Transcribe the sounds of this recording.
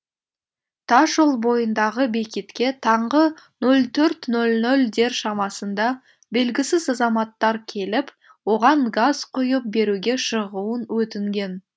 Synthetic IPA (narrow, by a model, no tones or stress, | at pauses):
t̪ʰɑʃolˠbo̞jənd̪ɑʁəbekʲet̪kʲe̞t̪ʰɑɴʁənɵlˠt̪ʰɵɾt̪nɵlnɵld̪e̞ɾʃɑmɑsənd̪ɑ | be̞lɡʲɪsɪzɑzɑmɑt̪ːɑɾkʲʰe̞lɪp | wo̞ʁɑɴɡazqʰʊjəp̚be̞ɾuɡʲe̞ʃəʁuənwɵt̪ɪŋɡʲe̞n